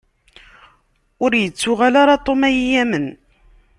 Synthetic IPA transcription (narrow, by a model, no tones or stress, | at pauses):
ʊɾjət͡sːʊʁalaɾˤɑt̪ˤomæjijæmən